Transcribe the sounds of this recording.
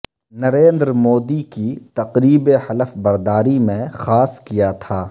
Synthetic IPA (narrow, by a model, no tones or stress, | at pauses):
nɐɾẽːnd̪ɾmoːd̪ikit̪ɐqɾiːbehɐləfbɐɾd̪aːɾimẽxaːskijat̪ʰaː